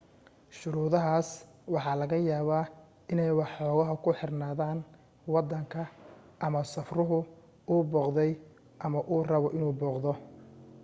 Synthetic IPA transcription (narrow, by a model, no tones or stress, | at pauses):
ʃʊɾuːðɐɦaːs | wɑħɑːlɐɣɐjaːβaː | ɪnɛjwɑħɔːɣɐɦɐkʰʊħɪrnaːðaːn | wɑd̪ːɐŋkʰɐ | ʔɐmɐsɐfrʊɦʊ | uːbɔːqðɛj | ʔɐmɐʔuːrɐβɔʔɪnuːbɔːqðɔ